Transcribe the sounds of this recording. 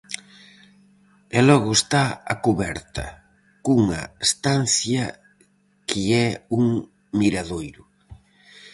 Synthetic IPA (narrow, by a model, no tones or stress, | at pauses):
ɛlɔɣʊest̪aa̰kuβɛɾt̪ɐ̰ | kuŋɐ̰est̪an̟θjɐ | kʰɪɛuŋ | miɾaðojɾʊ